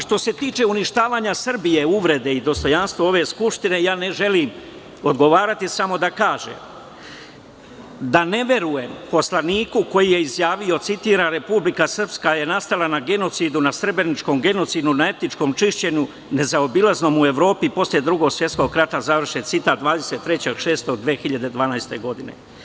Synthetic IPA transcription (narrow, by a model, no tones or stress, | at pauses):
ʃt̪o̞se̞t̪iːt͡ʃe̞uniʃt̪aːʋaːɲasr̩bije̞uʋɾe̞d̪e̞id̪o̞st̪o̞janst̪ʋoo̞ʋe̞skupʂt̪ine̞jaːne̞ʒe̞lim | o̞d̪ɡo̞ʋaːɾat̪isamo̞d̪akaːʒḛm | d̪ane̞ʋje̞ɾuje̞mpo̞slaniːkuko̞jije̞izjaːʋio̞t̪sit̪iːɾaɾe̞publikasr̩pskaje̞nast̪alanaɡe̞no̞t̪siːd̪unasɾebɾenit͡ʃko̞mɡe̞no̞t̪siːd̪unae̞t̪nit͡ʂko̞ːmt͡ʂiʃt͡ɕe̞ɲu | ne̞zaobilazno̞ːmue̞ʋɾo̞ːpipo̞slje̞d̪ɾuɡo̞ɡsjet̪sko̞ɡ̚kɾat̪azaʋr̩ʃet̪sit̪aːt̪̚d̪ʋaːd̪e̞se̞t̪ːɾe̞t͡ɕeɡʃe̞ːst̪o̞ɡd̪ʋeːxiʎad̪e̞d̪ʋaːnajst̪e̞ɡo̞d̪ine̞̰